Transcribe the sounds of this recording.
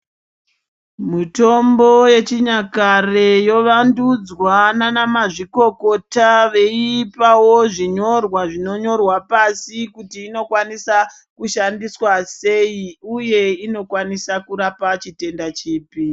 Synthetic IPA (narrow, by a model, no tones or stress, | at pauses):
mito̞mbo̞je̞t͡ʃiɲakarejoʋandud͡zwananamaʐiko̞ko̞taʋe̞ipawoʐiɲo̞rwaʐino̞ɲo̞rwapasikutiːno̞kwanisa | kuʃandiswase̞iuje̞ino̞kwanisakuɾapat͡ʃite̞ndat͡ʃiːpi